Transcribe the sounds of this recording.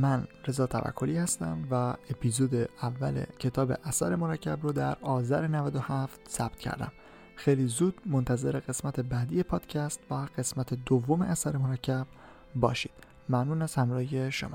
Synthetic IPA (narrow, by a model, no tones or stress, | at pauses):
mænɾe̞zɒːt̪ʰæ̰væ̰kʰːo̞liːhæst̪æ̰mvæepʰizod̪eævːæ̰lḛcʰe̞t̪ʰɒːbe̞̰ʔæsæ̰ɾemo̞ɾæcʰːæbɾod̪æɾɒːzæɾenævæd̪ohæft̪sæb̥̚t̪̚cʰæ̰ɾd̪æ̰m | xejlizuːd̪̥mont̪ʰæze̞ɾe̞ɣe̞smæt̪ʰe̞bæːd̪iːje̞pʰɒːd̪̥cʰæst̪væɢ̥e̞smæt̪ʰe̞d̪ovːomeʔæsæɾemoɾæcʰːæb̥ | bɒ̰ːʃiːd̪̥ | mænuːnæshæmɾɒːhje̞ʃo̰mɒ̰